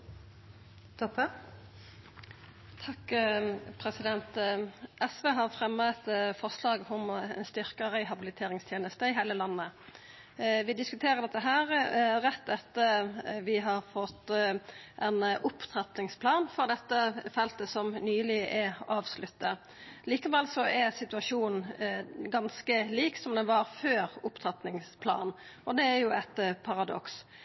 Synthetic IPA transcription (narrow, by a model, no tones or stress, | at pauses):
t̪ʰɔpə | t̪ʰɑk | pʰɾɛsɪd̪ɛnt̪ʔɛsʋeːɦɑɾfʁɛmːət̪fɔʁʂlɑːɡɔmɛ̰nst̪ʏɾkəʁɛɪɦɑbɪlɪt̪ʰeːɾɪŋst̪ʰjeːnəst̪əɪɦæɪləlɑnːə | ʋɪd̪ɪskʉt̪ʰeːɾəʁd̪ɛt̪ːəɦæːʁʁɛt̪ːɛt̪ːəʋɪɦɑɾfɔt̪ː | ʔɛnʔʊpt̪ʰɾɑt̪nɪŋspʰlɑːnfɔɾd̪ɛt̪ːəfɛlt̪əsɔmnyːlɪʔɛɑːʋslʉt̪ːə | liːkəʋɛlsɔʔæɾsɪt̪ʉɑʂuːn | ɡɑnskəliːksɔmd̪ɛnʋɑɾføːɾʊpt̪ʰɾɑt̪nɪŋspʰlɑ̰ːnɔd̪ɛæɾjʊɛt̪pʰɑɾɑd̪ɔ̰ks